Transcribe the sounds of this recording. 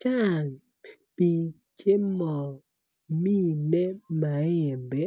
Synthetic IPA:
t͡ʃa˦˨ŋ | pi˨ | t͡ʃe˦mɔ˨ | mi˦ne˦ma˨e˨mbe˨˦

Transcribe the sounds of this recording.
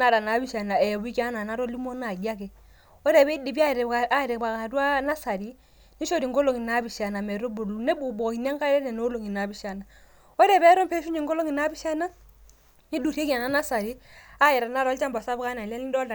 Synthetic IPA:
na˨ɾa˨na˨˦bi˦ʃa˨na˨ɛ˨bu˦i˦ka˦na˨na˦ɾɔ˦li˦mo˦na˨ɡa˦kɛ˨ | ɔ˦ɾɛ˨bɛ˦i˦di˨bi˦a˦˨ɾa˦˨ɾɛ˨ba˨ka˨dwa˦na˦sa˨ɾi˦ | ni˦ʃo˦˨ɾi˨ŋɡo˦lo˨ŋi˨na˦bi˨ʃa˨na˨mɛ˨ɾo˦bu˨lu˨ne˦bu˨bo˨ki˨n˦a˦ŋka˦ɾɛ˦nɛ˨no˨˦lo˨ŋi˨na˨˦bi˨˦ʃa˨na˨ | ɔ˦ɾɛ˨bɛ˦ɾɔ˦mpɛ˦ʃu˦ɲi˨ŋɡo˦lo˦ŋi˨na˦bi˦ʃa˦na˦ | ni˦du˨ɾe˦ki˦a˨na˦na˦sa˨ɾi˦a˦jɛ˨ɾa˨na˦ɾɔ˦lt͡ʃa˦mba˨sa˦ba˦na˨lɛ˦li˦dɔ˦da˨

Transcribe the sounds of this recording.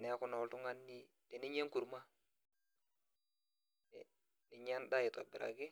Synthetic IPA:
nɛ˨a˦kʊ˦nɔ˨ltu˦ŋa˦nːi˦ | tɛ˨ni˦ɲɛ˦ŋku˨ɾma˦ | ɛ˨ | ni˨ɲɛ˦nda˦ɪ˨tɔ˨bɪ˨ɾa̰˨kɪ˦

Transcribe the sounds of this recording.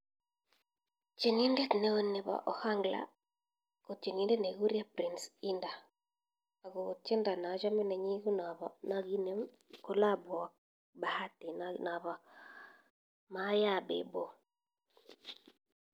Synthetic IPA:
t͡ʃe˨ni˦nde˦t̪ne˦o˦nːe˨ba̰˨ʔɔ˨ha˦ŋɡla̰˨˦ | ko˨t͡ʃe˨ni˦nde˦ne˨ɡu˦ɾja˦pɾi˨nsi˦ndaː˨ | ɡo˨t͡ʃe˦nda˨na˨d͡ʒa˦mi˦nɛ˨ɲi˦ɡu˦na˨ba˨na˨ɡi˦ne˦ | ko˦la˦bwa˨ | ba˨ha˦ti˨nna˨βa˨ | ma˨˦ja˦bḛ˨bo˦

